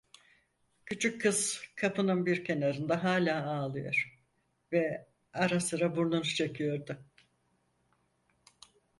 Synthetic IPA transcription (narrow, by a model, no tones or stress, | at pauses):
cʰyt͡ʃʰykʰːɯz̥kʰapʰɯnɯnbiɾcʰe̞naɾɯnd̪aɦaːlʲaːaːlˠɯjo̞̰ɾ̥ | vɛ | aɾasɯɾabuɾlˠanuʃt͡ʃʰekʰɯjo̞ɾd̪ʊ